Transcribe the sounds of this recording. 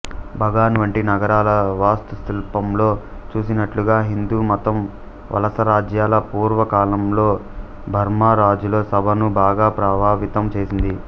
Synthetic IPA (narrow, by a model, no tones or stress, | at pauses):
bʱɐɡaːnʋɐɳʈinɐɡɐɾaːlɐʋaːst̪ust̪ilpɐmlo̞ːt͡ʃuːsinɐʈluɡaːɦind̪uːmɔt̪ɐm | ʋʔɐ̰lɐsɐɾaːd͡ʒjaːlɐpuːɾʋɐkaːlɐmloː | bʱɐɾmaːɾaːd͡ʒulo̞ːsɐbʱɐnubaːɡaːpɾɐbʱaːʋit̪ɐmt͡ʃe̞ːsind̪i